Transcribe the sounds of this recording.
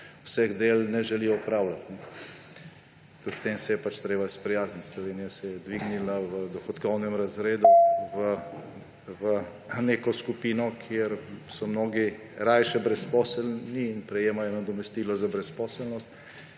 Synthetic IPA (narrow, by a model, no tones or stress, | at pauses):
wsɛɣd̪eːlnɛʒɛlijɔupɾaːwlat̪nɛ | t̪ut̪st̪emsɛjɛpat͡ʃt̪ɾeːbaispɾijaːznit̪ʲslɔʋeːnijasɛjɛd̪ʋiɡnilaʋəd̪ɔxɔt̪kɔwnɛmɾazɾeːd̪uʋə | ʋə | neːkɔskupiːnɔkʰjeɾsɔmnoːɡi | ɾajʃɛbɾɛspɔsɛlniːnpɾɛjeːmajɔnad̪ɔmɛst̪iːlɔzabɾɛspɔːsɛlnɔst̪